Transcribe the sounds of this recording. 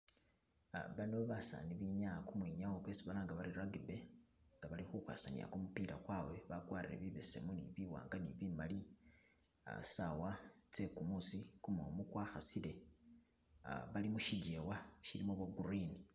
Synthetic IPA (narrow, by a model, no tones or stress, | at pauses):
βanoβoβasa̰niβiɲakumwiɲawokwesiβalaːŋɡaβaɾiraɡibeŋɡaβalixuxwa̰sanḭa̰kumupiɾa̰kwawe̞βaɡwaːriɾḛβiβese̞munḭβiwa̰ːŋɡaniβimali | a̰sawat͡se̞kumusikumomukwaːxasile̞ | βalimuʃiɟewaʃiɾimoβoɡuɾini